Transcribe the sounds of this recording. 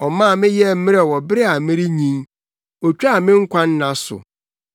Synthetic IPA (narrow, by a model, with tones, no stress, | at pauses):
ɔ˨mãː˦˨mɪ̃˦jɛ˦˨m̩˦mɪ˦ɾɛ˨wɔ˨bɪ˦ɾe˦a˨mɪ̃˦ɾɪ˦ɲĩ˦n | o˨t͡ɕᶣa˦a˨mɪ̃˦ŋ̩˦kʷʰã˦n˦nã˨sʊ̰˨